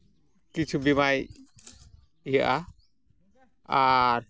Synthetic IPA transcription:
kit͡ʃʰubimaj | ijaʔa | aɾ

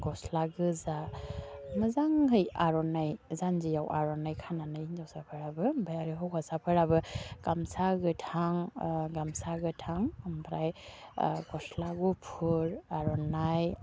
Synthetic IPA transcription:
ɡɔslaɡɯza | mɯzaŋɦɯjaɾɔnajzanzijawʔa̰ɾɔnajkʰananajind͡ʒawsapʰɯɾabɯbʱajaɾiɦɔwkʰasapʰɯɾabɯɡ̥amsaɡɯtʰaŋɡamsaɡɯtʰaŋmbʰɾaj | ɡɔslaɡupʰuɾaɾɔnaj

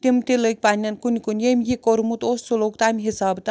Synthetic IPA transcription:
t̪imt̪ilək̚ʲpanʲɐnkunʲikunʲjemʲjikoɾumut̪ossolokt̪amʲiɦisaːbt̪

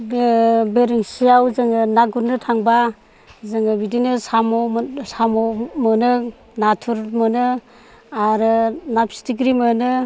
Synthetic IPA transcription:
beɾiŋsijawzɯŋɯnaɡuɾnɯtʰaŋba | zɯŋɯbidinɯsamɔsamɔmɯnɯ | natʰuɾmɯnɯ | aɾɯnapʰsi̥tiɡ̬ɾimɯnɯ

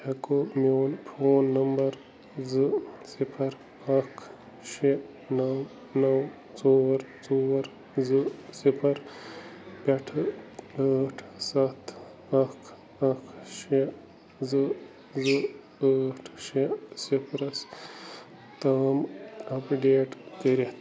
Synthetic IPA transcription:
ɐkomoːlpʰoːnːɐmbɐɾ | zɨsipʰɐɾ | ɐkʰ | ʃe | nɐw | nɐw | t͡soɾt͡soːɾ | zɨsipʰɐɾ | pɐʈʰ | aːʈʰsɐt̪ʰ | ɐkʰ | ɐkʰʃe | zɨ | zɨ | əːʈʰʃesipʰɾɐs | t̪ɐmɐpɖeːʈkəɾit̪

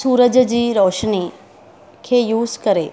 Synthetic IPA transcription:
suːɾəd͡ʒd͡ʑiːɾɔːʃni | kʰejuːzkəɾeː

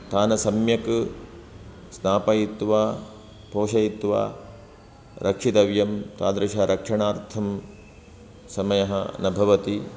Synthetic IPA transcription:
t̪ʰaːnɐsɐmjɐk | snaːpɐjit̪ʋaː | poːʃɐjit̪ʋa̰ː | ɾʔɐkʂit̪ɐʋjɐmt̪aːd̪ɾɐʃɐɾʔɐkʂɐɳaːɾt̪ʰɐm | sɐmɐjɐɦɐ̰nɐbʱɐʋɐt̪i

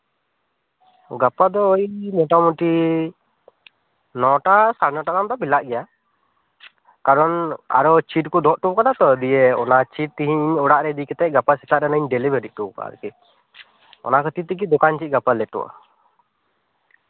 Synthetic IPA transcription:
ɡapad̪ɔːjmɔʈamuʈi | nɔʈasaɾnɔʈakamd̪ɔbilaʔɡɛja | kaɾɔna̰ɾɔt͡ʃiʈ̚kud̪ɔʔʈukanat̪ɔd̪ijeɔ̰nat͡ʃiʈ̚t̪iɦiɲɔɽaʔɾɛd̪ikɛt̪ɛʔ̚ˀɡapasɛt̪aʔɾɛnəɲɖelibəɾiʔ̚ʈuka̰ɾkɛ | ɔ̰nakʰɔt̪it̪ikid̪ɔkant͡ʃit̪̚ɡapalɛʈɔ̰ʔa̰

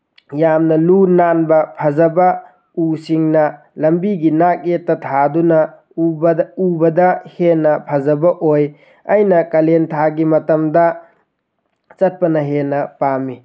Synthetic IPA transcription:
jamnɐlunanbɐpʰɐzɐbɐ | usiŋnɐ | lɐmbiɡinak̚etːɐtʰadunɐ | ubɐdɐhenɐpʰɐzɐbɐʔoj | ɐjnɐkɐlentʰaɡimɐtɐmdɐ | t͡ʃɐt̚pɐnɐɦenɐpamːi

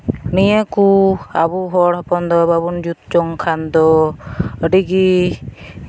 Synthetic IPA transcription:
nijekua̰buɦɔɽɔpɔnd̪ɔbabund͡ʒut̪̚t͡ʃɔŋkʰand̪ɔ | eʈiki

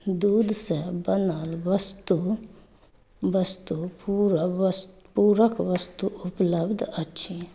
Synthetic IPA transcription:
d̪uːd̪sɛbənaːlʋəst̪u | ʋəst̪upuɾs | puːɾəkʰʋəst̪uʊpləbd̪ətːʃʰi

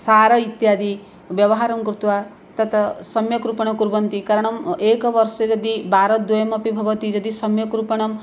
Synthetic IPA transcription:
saɾɔit̪jad̪i | bjɔbɔɦaɾɔmkɾut̪wa | t̪ɔt̪ɔsɔmjɔkɾupɔɽ̃ɔkuɾbɔnt̪ikaɾɔɽ̃ɔmekɔbɔɾsed͡ʒɔd̪ibaɾɔd̪ujmɔpibʱɔbɔt̪id͡ʒɔd̪isɔmjɔkɾupɔɽ̃ɔm

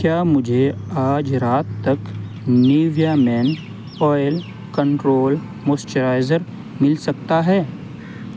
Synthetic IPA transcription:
kjaːmʊd͡ʒʱeaːd͡ʒɾaːt̪ːɐk | niːʋijamɛːn | ɔːɪl | kɐ̃ɳʈɾoːl | moːst͡ʃəɾaːɪzəɾ | mɪlsɐk̚t̪aɦɛː

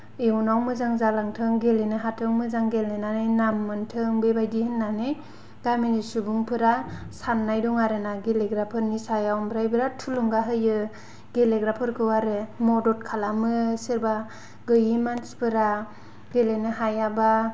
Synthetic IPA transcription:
ewnawmɯzaŋzalaŋtʰɯŋɡelenɯɦatʰɯŋmɯzaŋɡelnenanɯjnamːɯntʰɯŋbebajdihɯnːanɯj | ɡ̥aminisubuŋpʰɯɾasanːajdɔŋaɾɯnaɡeleɡɾapʰɯɾnisajawmbɾajbɯɾatʰuluŋɡaɦɯjɯ | ɡ̥eleɡɾapʰɯɾkɯwaɾɯmɔdɔt̚kʰalamɯsɯɾba | ɡɯjimanspʰɯɾa | ɡelenɯɦajaba

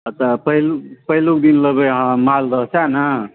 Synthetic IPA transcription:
t̪əpəɦilupəɦluk̚d̪inləbeɦãmalɾəɦsanə

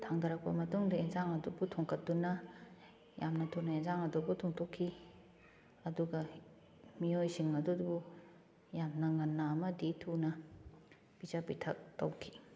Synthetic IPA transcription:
tʰaŋdɐɾɐk̚pɐmɐtuŋdɐenzaŋɐdubutʰoŋkɐt̚dunɐ | jamnɐtʰunɐenzaŋɐdubutʰoŋtʰokʰːi | ɐduɡɐ | miojsiŋɐdudubu | jamnɐŋɐnːɐːmɐditʰunɐ | pizapitʰɐk̚tɐwkʰi̥

